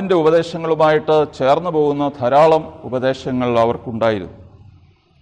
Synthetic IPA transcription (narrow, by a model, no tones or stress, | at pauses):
inde̞ubɐðe̞ːɕɐŋːɐɭumaːjiʈːɨt͡ɕe̞ːrnːɨpo̞ːɣunːɐt̪ʰɐɾaːɭɐmubɐd̪e̞ːɕɐŋːɐɭiɐʋɐrkuɳɖaːjiɾṵnːu